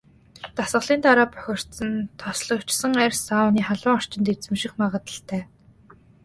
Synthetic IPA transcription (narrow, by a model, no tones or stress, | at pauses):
t̪asɢə̆ɮiːnt̪aɾaːpœ̥xʲɪ̆r̥t̪sə̆nt̪ʰɔsɮɞ̆kt͡ɕsə̆ŋærʲsaʊniːχaɮʊːŋɔr̥t͡ɕɪ̆nt̪et͡sɘ̆mʃĭxmaʁə̆t̪ə̆ɬt̪ʰæː